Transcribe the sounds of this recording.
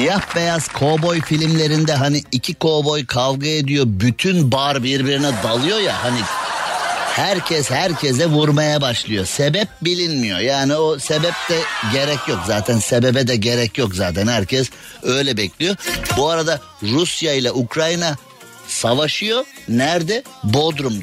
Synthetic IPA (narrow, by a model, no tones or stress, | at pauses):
jahbejaz̥kʰo̞bo̞jfilʲimlʲe̞ɾind̪ɛɦaniːcʰikʰo̞bo̞jkʰavɡaed̪ijo̞byt̪ʰynbaɾbiɾbiɾinɛd̪alˠɯjo̞jahani | hæɾcʰɛshæɾcʰɛs̬ɛvuɾmajabaʃlˠɯjo̞̰sebɛp̚bilʲinmijo̞̰jaːniose̞bɛp̚d̪ɛɟe̞ɾɛcjokzaːt̪ʰænse̞be̞bɛd̪ɛɟe̞ɾɛcjokzaːt̪ʰɛnhæɾcʰɛs | ø̞jlʲɛbɛclʲijo̞buaɾad̪a | ɾusjailˠaʔukɾajɯna | savaʃɯjo̞næɾd̪ɛbod̪ɾum